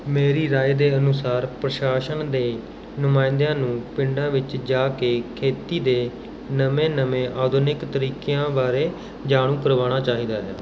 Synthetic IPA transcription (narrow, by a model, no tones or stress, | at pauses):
meːɾiːɾaːd̪eːənʊsaːɾpɾəʃaːʃənd̪eː | nʊmaːɪ̃nd̪ejãːnũːpɪɳɖãːʋɪt͡ʃd͡ʒaːkeːkʰeːt̪iːd̪eː | nəmẽːnəmẽːʔaːd̪onɪkt̪əɾiːkejãːbaːɾeː | d͡ʒaːɽ̃ũːkəɾʋaːɽ̃aːt͡ʃaːɦiːd̪aːɦɛː